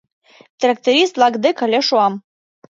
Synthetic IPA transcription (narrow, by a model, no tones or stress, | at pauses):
t̪rɑk̚t̪eɾʲist̪lɑɡd̪ekə̆lʲeʃuɑm